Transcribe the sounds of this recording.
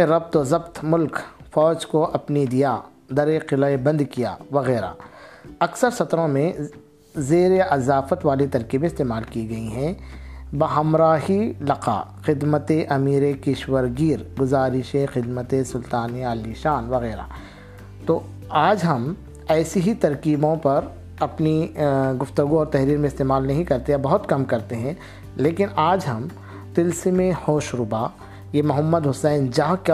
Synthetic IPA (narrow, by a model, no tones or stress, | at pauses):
eɾɐb̚t̪ozɐbt̪mʊlkfɔːt͡ʃkoʔɐpnid̪ijaː | d̪ɐɾeqɪlɐebɐ̃nd̪kija̰ːʋɐɣɛːɾa̰ːɐksəɾsɐt̪ɾõmẽ | zeːɾeʔɐzaːfət̪ʋaːlet̪ɐɾkibɪst̪eːmaːlkiɡɐiɦɛ̃bɐɦɐmɾaːɦilɐqa̰ː | xɪd̪mət̪eʔɐmiːɾekɪʃwəɾɡiːɾɡʊzaːɾɪʃexɪd̪mət̪esʊlt̪aːneaːliʃaːnʋɐɣɛːɾa̰ː | t̪oː | aːd͡ʒɦɐm | ɛːsiɦit̪ɐɾkiːbõpɐɾ | ɐpniɡʊft̪ʊɡũɔːɾt̪ɛɦɾiːɾmẽɪst̪eːmaːlnɐɦĩkɐɾt̪eabɐɦʊt̪kɐmkɐɾt̪eɦɛ̃ | leːkɪnaːd͡ʒɦɐm | t̪ɪlsemẽhoːʃɾʊbaː | jemʊɦɐmːəd̪ɦʊsɛːnd͡ʒaːɦk